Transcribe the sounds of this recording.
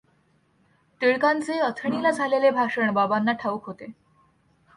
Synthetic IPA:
t̪iɭkant͡seət̪ʰəɳilad͡zʱalelebʱaʂəɳbabanːaʈʰaʋukɦot̪e

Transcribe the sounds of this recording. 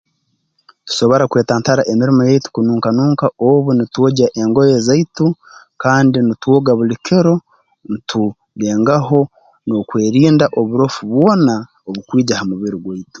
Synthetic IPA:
tu̥so̞βo̞ɾakwe̞ːtaːntaɾaʔemiɾimojaitu̥kunuːŋkanuːŋkaoβunituoɟaʔeŋɡojeːzaitu | kaːndinitwoɡaβulikiɾo̞ | nitu | ɡe̞ːŋɡaɦo̞ | no̞kwe̞ːɾiːndaʔo̞βuɾo̞fuβwo̞ːna | oβukwiːɟahamuβiɾiɡwaitu̥

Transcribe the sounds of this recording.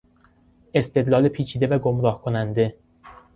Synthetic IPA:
e̞st̪ʰe̞d̪lɒːlepʰiːt͡ʃʰiːd̪e̞væɡomɾɒːhkʰonænd̪e̞

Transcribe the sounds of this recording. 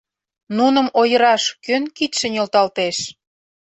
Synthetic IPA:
nunə̆mojə̆ɾɑʃkønkit̪ʃĕnʲolt̪ɑlt̪eʃ

